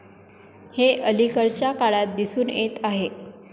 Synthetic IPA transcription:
heʔəlikəɾt͡ɕjakaɭat̪̚d̪isuːnet̪aɦe

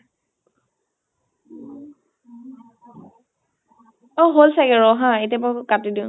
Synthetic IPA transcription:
ɔɦolsaɡɛɹɔɦãetiapakatidiʊ̃

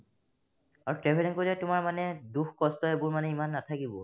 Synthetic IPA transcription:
aɹɔtɹɛpʰɛɾɛnkoilɛtʊmaɹmanɛduxkɔstɔebʊɹmanɛimanːatʰakibɔ

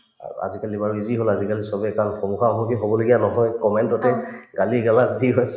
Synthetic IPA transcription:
a̰a̰zikalibaɹuiziɦolazikalisɔbɛkanxɔmuxaɔbɔkiɦobɔloɡijanɔɦɔjkɔmɛntɔtɛɡaliɡalaziɦɔjs

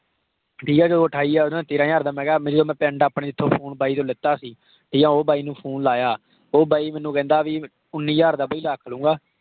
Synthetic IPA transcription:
ʈʰiːkɛːd͡ʒoəʈʰaːiːɛːʊnãːt̪eːɾãːjaːɾd̪aːmɛ̃ːɡaːmɛ̃d͡ʒt̪oːmɛ̃ːpɛ̃ːɳɖaːpneːɪt̪ʰːõːpʰoːnbaːiːt̪õːlɪt̪ːaːsiː | ʈʰiːãːoːbaːiːnũːpʰuːnlaːjaː | oːbaːiːmɛːnũːkɛ̃ːnd̪aːʋiː | ʊnːiːjaːɾd̪aːbaːiːlaːkʰəlũːɡaː

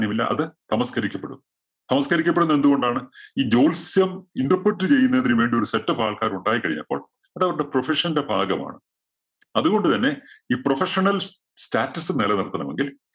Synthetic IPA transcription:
njɐmilːɐ̰ʔɐ̰ðɨt̪ɐmɐskɐɾikʲːɐpːeɽṵnː | t̪ɐmɐskɐɾikʲːɐp̬ːeɽunːe̞nd̪uɣo̞ɳɖaːɳɨiːd͡ʑo̞ːlsjɐmiɳɖɐpːɐtːɨt͡ɕe̞jːunːɐendiɾiʋe̞ːɳɖijo̞ɾusetːɐfaːɭkaːɾuɳɖaːjikːɐɻḭɲːɐ̰pːo̞̰ːɭ | ɐðɐʋɾuɽe̞profeʂɐndebʱa̰ːɡɐma̰ːɳɨ | ɐðuɣo̞ɳɖɨt̪ɐnːe̞iːprofeʂɐɳɐl | staːtːɐsɨnelɐniɽɐt̪ːɐnɐmḛŋɡil

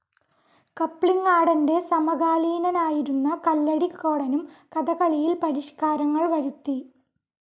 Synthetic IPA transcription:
kɐpːɭiŋːaːɽɐnde̞sɐmɐɣaːliːnɐnaːjiɾunːɐkɐlːɐɽikːo̞ːɽɐnumkɐd̪ɐɣɐɭijilpɐɾiɕkaːɾɐŋːɐɭʋɐɾut̪ːi

